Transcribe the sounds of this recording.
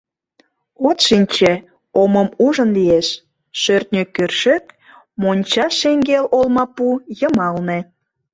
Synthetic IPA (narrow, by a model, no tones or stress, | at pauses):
ot̪ʃinʲt͡ɕe | oməmuʒənlieʃ | ʃørt̪̚nʲøkørʃek | monʲt͡ɕɑʃeŋɡelolmɑpujəmɑlnĕ